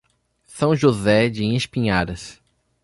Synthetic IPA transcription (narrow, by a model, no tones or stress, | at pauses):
sɐ̃w̃ʒozɛd͡ʒẽespĩɲaɾɐs